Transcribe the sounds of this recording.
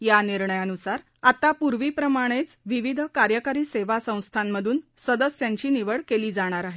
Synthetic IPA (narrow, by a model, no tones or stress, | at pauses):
janiɾɳəjənusaɾ | at̪apuɾʋiːpɾəmaɽ̃et͡sʋiʋid̪ʱkaɾjəkaɾiːseʋasə̃w̃st̪ʰamːəd̪ʱuːnsəd̪əsjaɲt͡ɕiːniʋəɭkeliːd͡zaɽ̃aɾaɦe